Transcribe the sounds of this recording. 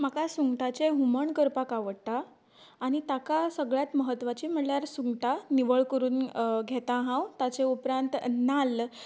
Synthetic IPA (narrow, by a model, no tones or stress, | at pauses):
m̤akasuŋɡʈat͡ɕeɦuməɳkəɾpakaʋəɽt̪aː | ɽ̃it̪akasəɡɭjat̪məɦət̪ːʋat͡ɕiːm̤əɳljaɾsuŋɡʈaniʋəɭkəɾuːnɡʱɛt̪ãɦãwt̪at͡seupɾãnt̪nal